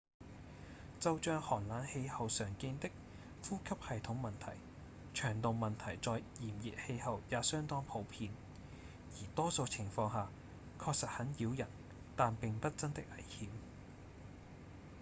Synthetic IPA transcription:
t͡sɐ˧wt͡ʃœː˧ŋhɔː˨˩nlaː˨˥nhe˧jhɐ˨wsœː˨˩ŋkɪ˧nt̪ɪ˥k̚ | fuː˥kʰɐ˥p̚hɐ˨jt̪ʰʊ˨˥ŋmɐ˨nt̪ʰɐ˨˩j | t͡ʃʰœː˨˩ŋt̪o˨wmɐ˨nt̪ʰɐ˨˩jt͡sɔː˨jjiː˨˩mji˨t̚he˧jhɐ˨wjaː˨˧sœː˥ŋt̪ɔː˥ŋpʰo˨˥wpʰiː˧n | jiː˨˩t̪ɔː˥so˨˧wt͡sʰɪ˨˩ŋfɔː˧ŋɦaː˨ | kʰɔː˧k̚sɐ˨t̚hɐ˨˥njiː˨˧wjɐ˨˩n | t̪aː˨npɪ˨ŋpɐ˥t̚t͡sɐ˥nt̪ɪ˥k̚ɐ˨˩jhiː˨˥w

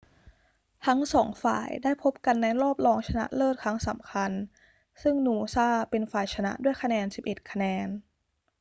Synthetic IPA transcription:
t̪ʰa˦˥ŋsɔ̰ː˩˦ŋfa̰ː˨˩jdaː˥˩jpʰo˦˥p̚ka˧nːa˧jɾɔː˥˩p̚lɔː˧ŋt͡ɕʰa˧na̰˦˥ʔlɤː˥˩t̪̚kʰɾa˦˥ŋsa˩˦mkʰa˧n | sɯ˥˩ŋnuː˧saː˥˩pe˧nfaː˨˩jt͡ɕʰa˧na̰˦˥du˥˩əjkʰa˧nɛː˧nsi˨˩p̚ʔe˨˩t̪̚kʰa˧nɛː˧n

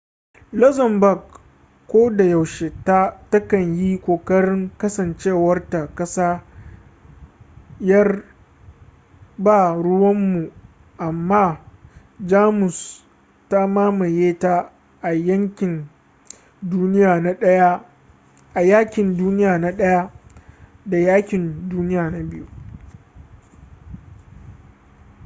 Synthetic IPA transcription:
lɔ˦zɐ˨mbɐ˨ɡ | kʷːoː˦da˨jɐ˨wʃe˨ta˦tɐ˦kɐ˨ɲji˦kʷoː˨kɐ˦ɾɪ˦ŋkɐ˦sɐ˨nt͡ʃeː˦˨wɐ˦rta˨kɐ˦saː˦ | jɐ˦r | baː˦˨ɽʊ˦wɐ˦mːu˨ | ʔa˨mːaː˦ | d͡ʒaː˦mʊ˨s | ta˦maː˦ma˨jeː˦ta˦ | ʔa˨jɐ˦ŋkʲɪ˨n | duː˦nɪ˦jaː˨na˦ɗɐ˦ja˦ | ʔa˨jaː˦kʲɪ˨nduː˦nɪ˦jaː˨na˦ɗɐ˦ja˦ | da˨jaː˦kʲɪ˨nduː˦nɪ˦jaː˨na˨bɪ˦ju˦

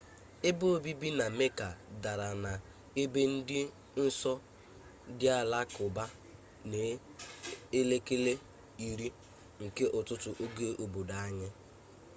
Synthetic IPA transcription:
ɪ˦bʊ˦o˦˨bi˦bi˦na˨me˦ka˨da˨ɾa˨na˨ | e˦be˦n̩˦dɪ˦ | n̩˦sɔ˦ | dɪ˦a˨la˦kʊ˨ba˦ | ne˨ | e˦le˦ke˦le˦ | i˨ɾi˦ | ŋ̩˨ke˦ʔʊ˨tʊ˦tʊ˨ʔo˦ɡe˦ʔo˨bo˨da˨a˦ɲɪ˦

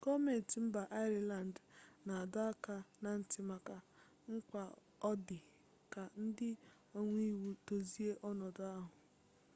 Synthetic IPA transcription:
kɔ˦me˨n˨ti˨m̩˦ba˨ʔa˦ɾi˨la˨n˨dna˨a˨da˦ka˦na˨n̩˦tɪ˦ma˨ka˨ | ŋ̩˦kʷa˨ | ɔ˦dɪ˨ | ka˨n̩˦dɪ˦ | o˦ŋʷi˦wu˨to˨zi˦e˦ʔɔ˦nɔ˨da˦ɦʊ˨

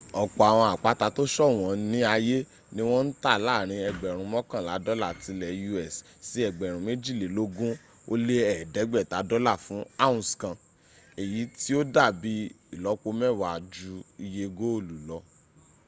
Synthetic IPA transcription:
ɔ˨k͡pɔ˨a˨w̃ɔ̃˧a˨k͡pa˦ta˧to˦ʃɔ˦˨w̃ɔ̃˨˦nĩ˦a˧je˦ | nĩ˦w̃ɔ̃˦n̩˦ta˦˨la˦˨ɾ̃ĩ˧ɛ˧ɡ͡bɛ˨ɾ̃ũ˨˦mɔ̃˦kã˦˨la˨˦dɔ˦la˦˨ti˨˧˦lɛ˨ju˧ɛ˦˨s | si˦ɛ˧˨ɡ͡bɛ˨ɾ̃ũ˨me˦d͡ʒi˦˨le˨lo˦ɡũ˦ | o˦le˦ɛ˦˨dɛ˨˦ɡ͡bɛ˦˨ta˨˦dɔ˦la˦˨fũ˨˦a˦ũ˨skã˨ | e˨ji˨˦ti˦o˦da˦˨bi˧˦ | i˨lɔ˨˦k͡po˧mɛ˦˨wa˨d͡ʒu˨˦i˧je˧ɡo˦o˦˨lu˨lɔ˧˦

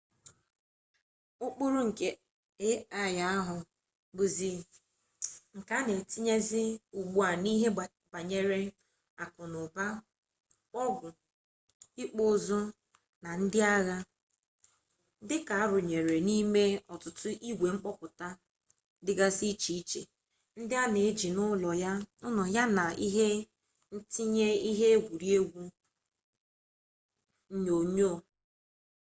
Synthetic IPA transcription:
ʊ˦k͡pʊ˦ɾʊ˦ŋ̩˨ke˦ | e˦a˦ja˦a˦ɦʊ˨ | bʊ˨zi˨ | ŋ̩˨ka˦ne˨ti˦ɲe˦zɪ˦u˨ɡ͡bu˨a˨ni˦ɦe˦˨ | ba˨ɲe˦ɾe˦ | a˨kʊ˨nʊ˨ba˦ | k͡pɔ˦ɡʷʊ˨ | i˦k͡po˦˨zo˦ | na˨n̩˦dɪ˦a˦ɣa˦ | dɪ˦ka˨a˦ɾʊ˨ɲe˨ɾe˨ni˦me˦ɔ˨tʊ˨tʊ˦ʔi˦ɡʷe˨ŋ͡m̩˦k͡pɔ˦pʊ˨ta˦ | dɪ˦ɡa˦si˦t͡ʃi˦i˦t͡ʃe˨ | n̩˦dɪ˦a˦ne˨e˦d͡ʒi˨nʊ˦lɔ˨ja˦ʊ˦nʊ˨ja˦na˨i˦ɦe˦ | n̩˦ti˦ɲe˦i˦ɦe˦e˦ɡʷu˨ɾi˦e˦ɡʷu˦ | ɲo˨ɲo˦˨

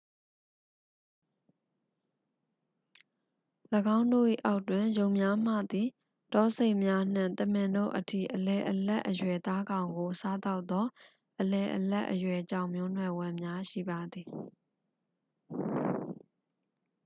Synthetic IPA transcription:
ləɡã˦ʊ̃ndo̰˦˨ʔḭ˦˨ʔa˦ʊʔtwɪ̃˨jõ˨ʊ̃mja˦m̥ä̰˦˨d̪i˨ | tɔ˦se˦ɪʔmja˦n̥ɪ̰̃˦˨t̪ə˦˨m̥ɪ̃˨ndo̰˦˨ʔətʰḭ˦˨ʔəlɛ˨ʔəlɛ̰˦ʔːəjwɛ˨t̪a˦ɡã˨ʊ̃ŋɡo˨sa˦t̪a˦ʊʔt̪ːɔ˦ | ʔəlɛ˨ʔəlɛ̰˦ʔːəjwɛ˨t͡ɕã˦˨ʊ̃mjʊ˦n̥wɛ˨wɪ̃˨mja˦ʃḭ˦˨ba˨d̪i˨

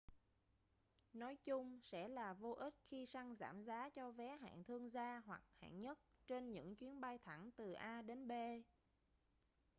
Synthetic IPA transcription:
nɔ˨˦jt͡ɕʊ˧ŋ͡msɛ̰˧˥laː˨˩vo˧ʔi˦˥t̚xi˧sa˧ŋza̰ː˧˩mzaː˨˦t͡ɕɔ˧vɛ˨˦ɦa̰ː˧˨nt̪ʰɨ˧əŋzaː˧ɦwa˨˩k̚ha̰ː˧˨ŋɲə˦˥t̚t͡ɕe˧nɲɨ̰˧˥ŋt͡ɕwi˨˦ənɓa˧jt̪ʰa˧˩ŋt̪ɨ˨˩ʔaː˧ɗe˨˦nɓe˧

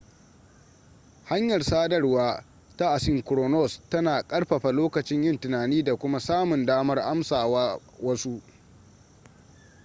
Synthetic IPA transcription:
ha˦ɲjɐ˨rsaː˦dɐ˦rwaː˦ | ta˦ʔa˨sɪ˦˨ŋkɾɔː˨nɔ˦˨stɐ˦naː˨kʼɐ˦ɽɸɐ˨ɸa˨loː˦kɐ˨t͡ʃɪ˦ɲjɐ˦˨ntɪ˨naː˨niː˦da˨kʷʊ˦ma˦saː˦mʊ˨ndaː˦mɐ˦rʔa˦msaː˨waː˦ | wɐ˦su˦ʔ

